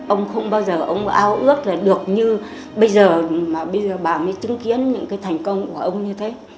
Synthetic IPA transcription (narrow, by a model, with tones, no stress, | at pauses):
ʔə˧wŋ͡mxə˧wŋ͡mɓaː˧wzəː˨˩ʔə˧wŋ͡mʔaː˧wʔɨ˦˥ək̚laː˨˩ɗɨ˨˩ək̚ɲɨ˧ | ɓə˧jzəː˨˩maː˨˩ɓə˧jzəː˨˩ɓaː˨˩məː˨˦jt͡ɕɨ˨˦ŋki˨˦ənɲɨ̰˧˥ŋkaː˨˦jt̪ʰjŋ̟kə˧wŋ͡mku˧˩əʔə˧wŋ͡mɲɨ˧t̪ʰe˨˦